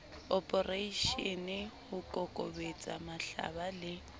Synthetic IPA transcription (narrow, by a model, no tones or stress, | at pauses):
ɔpʼɔreiʃɔnɪhʊkʼɔkʼɔ̰bet͡sʼamaɬa̰balɪ